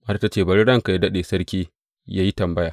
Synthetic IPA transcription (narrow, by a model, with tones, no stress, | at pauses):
ʔɐ˦ɾta˦t͡ʃeː˦˨bɐ˨˦ɽɽɐ˦ŋka˨ja˦dɐ˦ɗeː˨sɐ˦rkʲiː˦ | jaː˦ji˦tɐ˨mbɐ˦jaː˨